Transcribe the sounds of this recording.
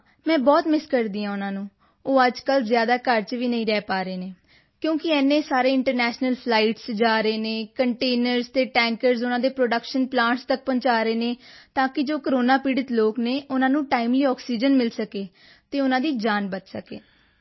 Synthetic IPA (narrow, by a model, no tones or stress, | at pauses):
mɛ̃ːbɔːt̪mɪskəɾd̪iːãːʊnãːnũː | oːəd͡ʒkəlzjaːd̪aːkəɾt͡ʃʋiːnəĩːɾɛːpaːɾeːneː | kjõːkɪɛːnːẽːsaːɾeːɪɳʈəɾnɛːʃnəlpʰlaːiʈsd͡ʒaːɾeːneːkəɳʈeːnəɾzt̪eːʈɛ̃ːŋkəɾzʊnãːd̪eːpɾoːɖəkʃənplãːɳʈst̪ək̚pə̃ɲt͡ʃaːɾəeːneːt̪ãːkɪd͡ʒoːkəɾoːnaːpiːɖət̪loːkneːʔʊnãːnũːʈaːiːmliːɔːksiːd͡ʒənmɪlsəkeː | t̪eːʊnãːd̪iːd͡ʒaːnbət̪səkeː